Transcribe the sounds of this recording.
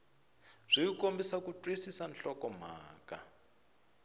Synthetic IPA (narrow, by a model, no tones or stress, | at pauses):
z̥ʷijikombisakutʼwisisanɬɔkɔm̤a̰ːka̰